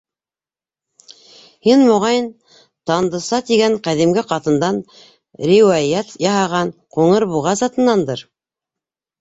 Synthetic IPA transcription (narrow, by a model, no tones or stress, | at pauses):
hinmŏʁɑjɤn | t̪ɑnd̪ɤ̆sɑt̪iɡæɴqæðimɡɘqɑt̪ɤ̆nd̪ɑn | ɾʲiwɑjæt̪jɑɦɑʁɑnquŋɤɾbuʁɑzɑt̪ɤ̆nːɑnd̪ɤɾ